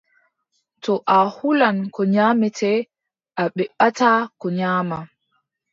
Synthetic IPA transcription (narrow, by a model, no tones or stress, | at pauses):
tɔʔahulankɔɲaːmɛtʰɛ | ʔaɓɛɓatakɔɲaːma